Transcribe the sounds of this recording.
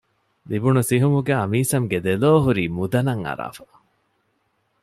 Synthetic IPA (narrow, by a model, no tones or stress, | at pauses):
libunusiɦumuɡeɐmiːsɐŋɡed̪eloːɦuɾiːmud̪ɐnɐŋɐ̰ɾa̰ːfɐ̥